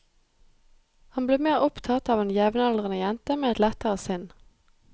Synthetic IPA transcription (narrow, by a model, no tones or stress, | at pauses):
hɑnbleːmeːʁʊpt̪ʰɑt̪ɑːʋɛːnjɛʋnəɛld̪ʁənəjɛnt̪əmeːɛt̪lɛt̪əʁəsʏn